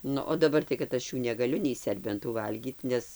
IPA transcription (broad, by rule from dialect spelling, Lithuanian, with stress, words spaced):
ˈnʊ oː dɐˈbɐr tɐɪ kɐt ˈɐʃ juː nʲɛɡɐˈlʲʊ nʲɛɪ ˈsʲɛrʲbʲɛntuː ˈʋɐlʲɡʲiːt ˈnʲɛs